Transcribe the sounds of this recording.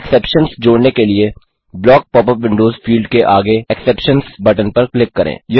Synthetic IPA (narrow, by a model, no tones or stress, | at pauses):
ɛksɛːpʃənsd͡ʒoːɽnekelie | blɔːk̚pɔːp̬əɾʋɪ̃ɳɖoːzfiːlɖkeʔaːɡeɛksɛːpʃənsbɐʈənpɐɾklɪkːɐɾʔḛ̃ːjɪ